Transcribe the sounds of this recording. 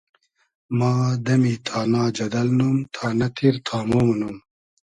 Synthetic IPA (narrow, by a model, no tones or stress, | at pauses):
maːd̪ɐmiːt̪ʰaːnaːd͡ʒɐd̪ɐlnumt̪ʰaːnɐt̪ʰiɾt̪ʰaːmoːmnum